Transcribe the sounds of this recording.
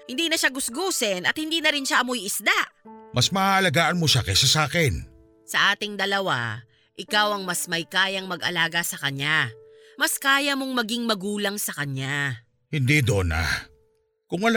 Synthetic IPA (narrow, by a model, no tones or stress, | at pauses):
hɪnd̪iːnɐʃaɡʊsɡuːsɛnɐt̪hɪnd̪iːnɐɾɪnʃaʔɐmojɪsd̪aʔmʔɐsmɐhaʔɐlɐɡaːʔɐnmoʃakɐjsɐsaːkɛn | sɐʔaːt̪ɪŋd̪ɐlɐwa̰ | ʔɪkawɐŋmɐsmɐjkaːjɐŋmɐɡʔɐ̰laːɡɐsɐkɐɲa | mɐskaːjɐmoŋmɐɡiŋmɐɡuːlɐŋsɐkɐɲa | hɪnd̪iːd̪ona̰ | kʊŋɐl